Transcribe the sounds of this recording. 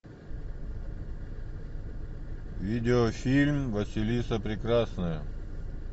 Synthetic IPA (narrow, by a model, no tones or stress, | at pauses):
vʲidʲɪofʲilʲmvəsʲɪlʲisəpɾʲɪkɾasnɨjə